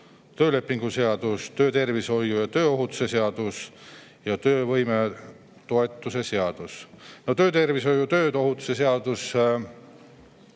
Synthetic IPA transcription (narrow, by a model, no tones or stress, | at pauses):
t̪ø̞ːle̞pːˑiŋɡ̥useɑd̪̥ust̪ø̞ːt̪e̞rviso̞jːujɑt̪ø̞ːo̞ɦut̪ːˑu̥se̞seɑd̪̥us | jɑt̪øːvɤjme̞ | t̪o̞e̞t̪ːˑuse̞se̞ɑd̪̥usno̞t̪ø̞ːt̪e̞rviso̞jut̪ø̞ːt̪o̞ɦut̪ːˑu̥se̞s̬eɑd̪̥us